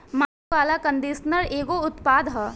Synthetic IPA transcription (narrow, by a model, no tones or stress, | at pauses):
maː | ʋaːlakɐ̃nd̪eːsnəɾeːɡoʊt̪paːd̪ɦɐː